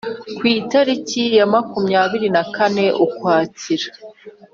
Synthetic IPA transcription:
kwiːtaɾicijamakumɲaːβiɾinakane̞ʔukwaːciɾa

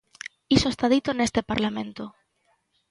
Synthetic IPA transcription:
isoest̪aðit̪onest̪epaɾlamẽnt̪o

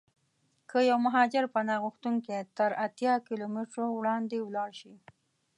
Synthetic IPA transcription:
kʰəjawmaɦɑd͡ʒɪɾpənɑɣuxt̪uŋket̪əɾat̪jɑkɪlomɪʈɾowɽɑnd̪ewlɑɽʃi

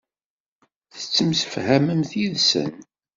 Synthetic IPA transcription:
θə̥t͡sːəmsəfhæməmθiðsə̰n

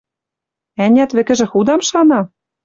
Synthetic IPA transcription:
ænʲæt̪βɘ̆kɘ̆ʒɘ̆xud̪ɑmʃɑnɑ

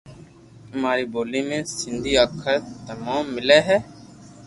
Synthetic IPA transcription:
maːɾiːboːliːmẽːsɪnd̪ʱiːəːkʰəɾt̪əmãːmːɪleːɦɛː

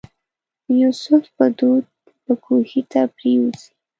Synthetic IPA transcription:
jusʊfpəd̪ud̪̚ | pəkʰuhit̪apɾewuzi̥

